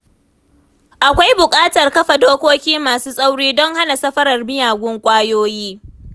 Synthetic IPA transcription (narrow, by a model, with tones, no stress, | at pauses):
ʔa˨kʷa˦jbʊ˨kʼaː˦tɐ˨rkɐ˦ɸa˨doː˦kʷoː˦kʲiː˦maː˨suː˦sʼa˦wɽiː˦dɔ˦ŋha˦na˨sɐ˦ɸɐ˦ɾɐ˨rmɪ˦jaː˨ɡʷʊ˦ŋkʷʼaː˦joː˦jiː˦